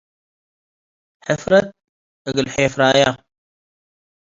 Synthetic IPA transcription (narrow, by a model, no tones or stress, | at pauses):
ħɪfɾɐt̪̚ | əɡəlħeːfɾaːja